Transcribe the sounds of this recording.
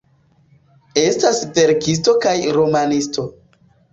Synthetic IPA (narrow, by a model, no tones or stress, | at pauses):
e̞stasve̞ɾkis̬to̞kajɾo̞manisto̞